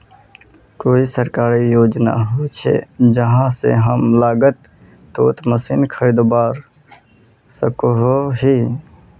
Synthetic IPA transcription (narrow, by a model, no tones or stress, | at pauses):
koːisəɾkaːɾijoːd͡ʒna̰ɦot͡ʃʰḛd͡ʒəɦãsḛɦəmlaːɡət̪ː | oːt̪məsinkʰəɾid̪obaːɾ | səkoɦoɦi